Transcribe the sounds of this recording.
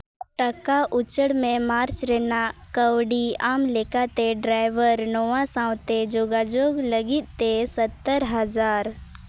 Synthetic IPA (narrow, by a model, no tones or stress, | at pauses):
ʈəkaʔʊt͡ʃəɽmẽmaːɾt͡ʃɾeːnakəʋɽiaːmlekat̪eɖɾaːɪʋəɾnoʋãsãːw̃t̪ed͡ʒoːɡad͡ʒoːɡləɡɪt̪t̪esət̪ːəɾɦəzaːɾ